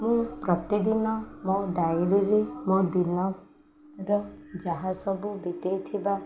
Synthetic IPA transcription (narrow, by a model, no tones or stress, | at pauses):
mũpɾɔt̪id̪inɔmɔ̃ɖajɾiɾemɔ̃d̪inɔ | ɾɔd͡ʒaɦasɔbubit̪ejt̪ʰiba